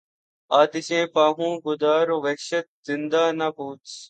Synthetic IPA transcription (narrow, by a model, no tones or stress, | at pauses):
aːt̪ɪʃẽːpãːɦũːɡʊd̪aːɾoːʋekʃət̪̚zɪnd̪aːnapuːt͡ʃ